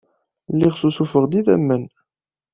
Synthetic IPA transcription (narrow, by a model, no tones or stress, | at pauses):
lːiʁsusufəʁd̪iðæ̰mːən